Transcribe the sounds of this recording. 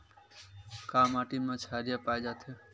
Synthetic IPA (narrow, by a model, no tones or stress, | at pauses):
kaːmaːʈimãt͡ʃʰaːɾijapaːjd͡ʒaːt̪ʰo